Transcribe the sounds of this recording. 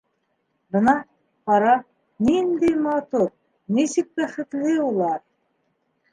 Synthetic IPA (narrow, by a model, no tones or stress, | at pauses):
bɤ̆nɑ | qɑɾɑ | nind̪æjmɑt̪uɾ | nisɘk̚bæχɘ̆t̪lɘulˠɑɾ